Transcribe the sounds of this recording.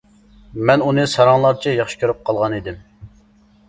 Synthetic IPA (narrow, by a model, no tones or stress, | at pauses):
mɛnunɨsɑɾɑŋlˠɑɾt͡ʃʰɛjɑχʃi̥kʲʰøɾyp̚qʰɑlˠʁɑnid̪ɪm